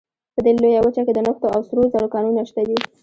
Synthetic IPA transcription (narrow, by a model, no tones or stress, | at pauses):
pəd̪elojawət͡ʃaked̪ənʊxt̪oawsɾoɾzaɽokɑnunaʃt̪ad̪i